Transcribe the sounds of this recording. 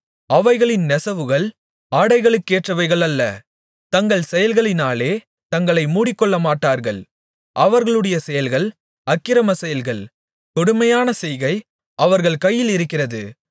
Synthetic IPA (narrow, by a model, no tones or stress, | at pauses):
ɐʋɐɪɣɐɭɪnnɛsɐʋɯɣɐɭ | aːɽɐɪɣɐɭɯkːeːʈrɐʋɐɪɣɐɭɐlːɐ | t̪ɐŋɡɐɭsɛjɐlɣɐɭɪnaːleː | t̪ɐŋɡɐɭɐɪmuːɽɪkːɔɭːɐmaːʈːaːɾɣɐɭ | ʔɐʋɐɾɣɐɭɯɽɐjɐsɛjɐlɣɐɭ | ɐkːɪɾɐmɐsɛjɐlɣɐɭ | k̪ɔɽɯmɐjaːnɐsɛjɣɐɪ | ɐʋɐɾɣɐɭkɐjːɪlɪɾɯkːɪrɐðɯ